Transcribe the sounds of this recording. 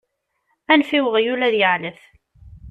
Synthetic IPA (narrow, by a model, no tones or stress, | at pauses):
ænfiwəʁjulæðjəʕləθ